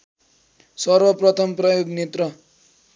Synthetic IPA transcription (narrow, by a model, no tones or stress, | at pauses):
sʌrbʌprʌt̪ʰʌmprʌjoɡnet̪rʌ